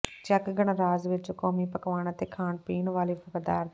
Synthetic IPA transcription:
t͡ʃɐkɡɐɳɐɾaːzʋet͡ʃukoːmiːpɐkɐʋaːɳɐt̪ekʰaːɳpiːnʋaːlipʰɐkɐd̪aːɾ

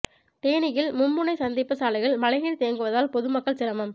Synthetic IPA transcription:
t̪eːnɪjɪlmʊmːɯnɐɪsɐnd̪ɪpːɐsaːlɪɣɐɭmɐlɐɪɣɪɾt̪eːŋɡɯʋɐðaːlpɔðɯmɐkːɐɭsɪɾɐmɐm

